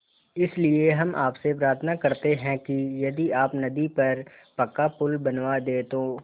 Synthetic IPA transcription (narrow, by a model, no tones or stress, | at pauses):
ɪslieɦɐmʔa̰ːpsepɾaːɾt̪ʰnakɐɾt̪eɦɛ̃kijɐd̪iaːpnɐd̪ipɐɾ | pɐkːapʊlbɐnʋad̪eːt̪oː